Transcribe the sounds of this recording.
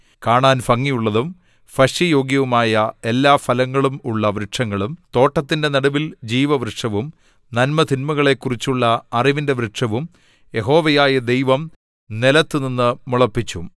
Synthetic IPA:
kaːɳaːnfɐŋːijuɭːɐðum | fɐɕjɐjo̞ːɡjɐʋumaːjɐe̞lːaːfɐlɐŋːɐɭumuɭːɐʋɾɨʈʂɐŋːɐɭumt̪o̞ːʈːɐt̪ːinde̞nɐɽɐʋild͡ʑiːʋɐʋrɨʈʂɐʋum | nɐnmɐt̪inmɐɣɐɭe̞kːurit͡ɕːuɭːɐɐriʋinde̞ʋɾɨʈʂɐʋum | je̞ɦo̞ːʋɐjaːjɐd̪ejʋɐm | nelɐt̪ːɨninːɨmuɭɐpːit͡ɕːum

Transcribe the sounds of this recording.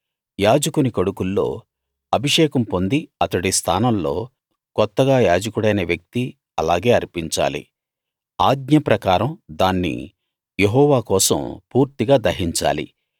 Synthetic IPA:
jaːd͡ʒɐkunikoɽukulːo̞̰ː | ɐbʱiʂɛːkɐmpo̞nd̪iɐt̪ɐɽist̪ʰa̰ːnɐmlo̞̰ː | kɔt̪ːɐɡaːjaːd͡ʒɐkuɽɐjnɐʋjɐk̚t̪i | ɐlaːɡe̞ːɐɾpiɲt͡ʃa̰ːlḭ | aːɡ̚ɲɐpɾɐkaːɾɐmd̪aːnːḭ | jeɦɔːʋaːkɔːsɐ̰mpuːɾt̪iɡaːd̪ɐɦiɲt͡ʃa̰ːlḭ

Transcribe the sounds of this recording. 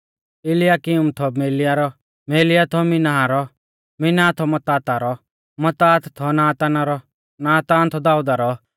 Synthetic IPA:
ɪlɪjaːkɪʊmt̪ʰɔmeːlɪjaɾɔ | meːlɪjat̪ʰɔmɪnaɦaɾɔ | mɪnaːt̪ʰɔmɐt̪aːt̪aɾɔ | mɐt̪aːt̪t̪ʰɔnaːt̪anaɾɔ | naːt̪aːnt̪ʰɔd̪aːud̪aɾɔ

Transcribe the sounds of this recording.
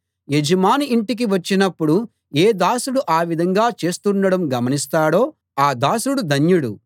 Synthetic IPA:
jed͡ʒɐmaːniːɳʈik̬iʋɐt͡ʃːinɐpːuɽu | eːd̪aːsuɽuʔaːʋid̪ʱɐŋɡaːt͡ʃe̞ːst̪unɖɐɽɐmɡɐmɐnist̪aːɽo̞ː | aːd̪aːsuɽud̪ʱɐnjuɽu

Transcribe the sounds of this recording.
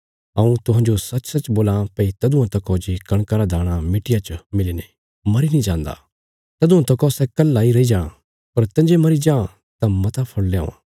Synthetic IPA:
ɐũt̪ʊɦãːɲd͡ʒosɐt͡ʃsɐt͡ʃboːlãpɐit̪ɐd̪uãt̪ɐkɔːd͡ʒikɐɽ̃kaɾad̪aːɽ̃amɪʈɪjat͡ʃmɪliːne | mɐɾinĩd͡ʒãːnd̪a̰ː | t̪ɐd̪uãt̪ɐkɔsɛkɐlːaːiɾɐid͡ʒaːɽ̃ã̰ | pɐɾt̪ɐ̃nd͡ʒemɐɾid͡ʒãː | t̪ãmɐt̪apʰɐɽleõ̰

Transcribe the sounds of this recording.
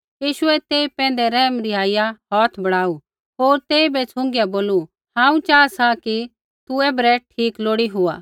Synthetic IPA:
jiːʃʊɛt̪eːipɛ̃ːn̆d̪ɛɾɛɦmɾiaːijaɦɔːt̪ʰbɐɽaːu | ɦoːɾt̪eːibɛt͡sʰʊ̃ŋɡjaboːlu | hãːũt͡ʃaːsaki | t̪uɛːbɾɛʈʰiːkloːɽiɦʊa̰ː

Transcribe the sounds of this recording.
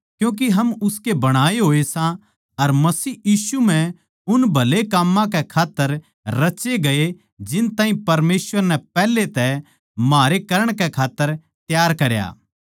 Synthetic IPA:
kjũːk̬iɦɐmʊskebɐɽ̃aːeɦoːesã | ɐɾmɐsiːjiːsum̤ɛ̃ | ʊnbʱɐlekamːãk̬ɛkʰaːt̪ːəɾː | ɐt͡ʃeɡɐe | d͡ʒɪnt̪aːɦĩpɐɾmeːsʋəɾnɛpɛːlet̪ɛ | maːɾekɐɾəɽ̃kɛkʰaːt̪ːəɾ | t̪jaːɾkɐɾja̰ː

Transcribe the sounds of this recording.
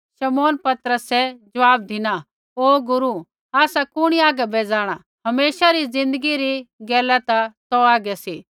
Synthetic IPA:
ʃɐmoːnpɐt̪ɾəsɛd͡ʒɐʋaːb̚d̪ʱɪna | oːɡʊɾu | aːsakʊɽ̃iaːɡɛbeːd͡zaːɽ̃a | ɦɐmeːʃaɾizɪ̃nd̪əɡiɾiɡɛːlat̪at̪ɔaːɡɛsi

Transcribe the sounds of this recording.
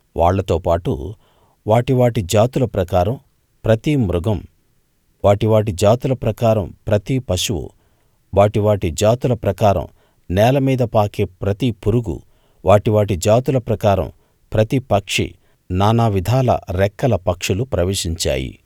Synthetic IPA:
ʋʔa̰ːɭːɐt̪oːpaːʈṵ | ʋaːʈiʋaːʈid͡ʒaːt̪ulɐpɾɐkaːɾɐm | pɾɐt̪imɾuɡɐm | ʋaːʈiʋaːʈid͡ʒaːt̪ulɐpɾɐkaːɾɐmpɾɐt̪ipɐʃuʋṵ | ʋaːʈiʋaːʈid͡ʒaːt̪ulɐpɾɐkaːɾɐ̰m | nɛːlɐmiːd̪ɐpaːkeːpɾɐt̪ipuɾuɡṵ | ʋaːʈiʋaːʈid͡ʒaːt̪ulɐpɾɐkaːɾɐ̰m | pɾɐt̪ipɐkʂḭ | naːnaːʋid̪ʱaːlɐ̰ɾɛkːɐlɐpɐkʂulupɾɐʋeːʂiɲt͡ʃa̰ːjḭ

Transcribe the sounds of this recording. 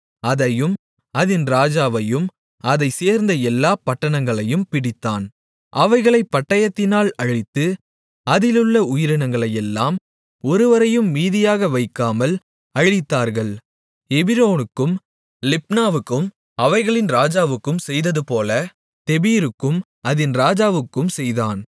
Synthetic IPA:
ɐðɐjɯm | ɐðɪnɾaːd͡ʒaːʋɐjɯm | ɐðɐɪseːɾnd̪ɐɛlːaːpɐʈːɐɳɐŋɡɐɭɐjɯmpɪɽɪt̪ːaːn | ʔɐʋɐɪɣɐɭɐɪpːɐʈːɐjɐt̪ːɪnaːlɐɻɪt̪ːɯ | ɐðɪlɯɭːɐʊjɪɾɪnɐŋɡɐɭɐjɛlːaːm | ɔɾɯʋɐɾɐjɯmːiːðɪjaːɣɐʋɐɪkːaːmɐl | ɐɻɪt̪ːaːɾɣɐɭ | ɛbɪɾoːnɯkːɯm | lɪpnaːʋɯkːɯm | ɐʋɐɪɣɐɭɪnɾaːd͡ʒaːʋɯkːɯmsɛjðɐðɯpoːlɐ | t̪ɛbiːɾɯkːɯm | ʔɐðɪnɾaːd͡ʒaːʋɯkːɯmsɛjðaːn

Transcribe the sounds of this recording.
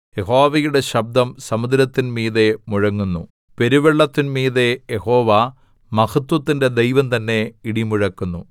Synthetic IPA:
jeɦo̞ːʋɐjuɽe̞ɕɐb̚d̪ɐmsɐmud̪ɾɐt̪ːinmiːðe̞muɻɐŋːunːu | pe̞ɾuʋeɭːɐt̪ːinmiːðe̞jehoːʋa | mɐhɐt̪wɐt̪ːinde̞d̪ejʋɐmt̪ɐnːe̞iɽimuɻɐkːunːu

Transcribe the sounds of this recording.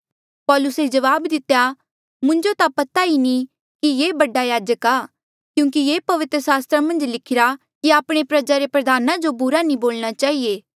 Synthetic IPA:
pɔːlʊsed͡ʒɐʋaːbd̪ɪt̪ːeja | mʊ̃nd͡ʒot̪apɐt̪aini | kijeːbɐɖajaːd͡ʒəkaː | kjũːkijeːpɐʋɪt̪ɾəsaːst̪ɾamɐ̃nd͡ʒlɪkʰɪɾa | kiaːpɽ̃epɾɐd͡ʒaɾepɾɐd̪ʱaːnãd͡ʒobʊɾanĩboːlɽ̃at͡ʃaːɦieː

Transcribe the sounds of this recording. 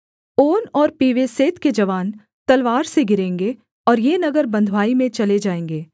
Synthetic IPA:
oːnɔːɾpiːʋeseːt̪ked͡ʒɐʋaːn | t̪ɐlʋaːɾseɡɪɾẽːŋɡe | ɔːɾjeːnɐɡəɾbɐ̃nd̪ʱʋaːimẽt͡ʃɐled͡ʒaːẽːŋɡeː

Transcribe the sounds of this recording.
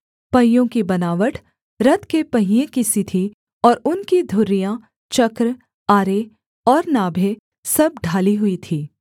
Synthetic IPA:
pɐɦɪjõkibɐnaːʋəʈʰ | ɾɐt̪kepɐɦijẽkisit̪ʰi | ɔːɾʊnkid̪ʱʊɾːijã | t͡ʃɐkɾ | aːɾe | ɔːɾnaːbʱe | sɐb̚ɖʱaːliɦʊit̪ʰiː

